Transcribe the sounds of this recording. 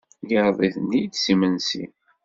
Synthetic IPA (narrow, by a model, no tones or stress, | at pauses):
jəɾðˤiθənːid̪simənsḭ